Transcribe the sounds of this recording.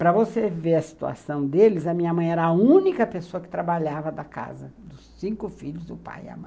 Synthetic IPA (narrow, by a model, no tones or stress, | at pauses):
pɾɐvoseveɾɐsi̥t̪ua̰sɐ̃w̃d̪elɪzɐmĩɲɐmɐ̃j̃ɛɾɐːũnikɐpesoɐkɪ̥t̪ɾabaʎavɐd̪ɐka̰zɐd̪ʊsĩŋkʊfiʎʊzd̪ʊpa̰jɪ̰ɐ̰mɐ̃j